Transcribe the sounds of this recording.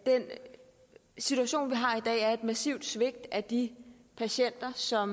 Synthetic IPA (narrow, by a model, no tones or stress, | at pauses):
d̥en | sit͡sʰuæɕo̝̰ːnʋiɦɑ̈id̥ɛ̰ːæɐe̝d̥mæsḭʊd̥sʋe̝ɡ̥̚d̥æd̥ipʰæɕen̰d̥ɐsɒ̽m